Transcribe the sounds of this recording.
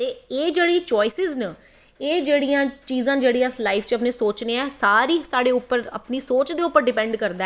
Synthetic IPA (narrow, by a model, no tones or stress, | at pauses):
t̪eːeːd͡ʒeːɽiːt͡ʃɔːɪsɪznə | eːd͡ʒeːɽijãːt͡ʃiːzãːd͡ʒeːɽiːãslaːɪfʰt͡ʃəp̬neːsoːt͡ʃneːɛːsaːɾiːsaːɽeːʊpːəɾə̰pniːsoːt͡ʃd̪eːʊpːəɾɖɪpɛ̃ːɳɖkəɾd̪aː